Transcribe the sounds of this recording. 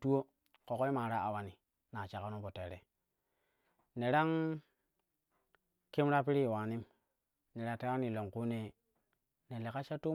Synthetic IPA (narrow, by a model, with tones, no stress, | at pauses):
tu˦o˦ | ko˨ko˦i˦ma˨ɾa˦a˨wa˨ni˨ | na˨t͡ʃa˨ka˦no˦po˨te˨ɾḛ˨ | ne˨ɾa˦ŋ | ki˦mɾa˦pi˦ɾi˦˨wa˨ni˦m | ne˨ɾa˨te˦wa˦ni˨lo˨ŋku˦ne˦ | ne˨le˨ka˦t͡ʃa˦tu˦